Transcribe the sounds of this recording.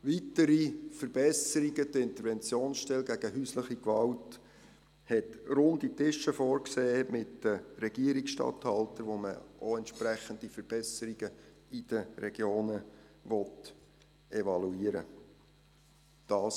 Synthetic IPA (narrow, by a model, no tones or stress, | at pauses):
ʋitəɾifəɾb̥ɛsəɾiɡədəɪnt̪əɾʋɛnt͡sjoːnsʃtɛlɡæɡ̥əɦyːsləχikʋɑʊt | hɛtɾʊnditɪʃəfɔːɾkseːmɪtd̥əɾɛɡ̥iəɾiksʃtɑ̰thɑltəɾʋomə̰ʔoɛntʃpɾæχənd̥̪ifəɾb̥ɛsəɾiɡə | id̥əɾɛɡ̥joːnəʋɔt | ɛʋɑluiːəɾə̰ | d̥ɑːs